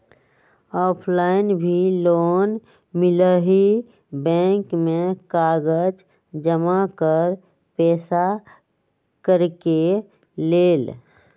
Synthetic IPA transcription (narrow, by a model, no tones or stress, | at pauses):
ɔːpʰlaːɪnbʱiloːn | mɪləɦi | bɛ̃ːŋkmẽkaːɡəd͡ʒ | d͡ʒəmakəɾ | pɛːsa | kəɾke | leːl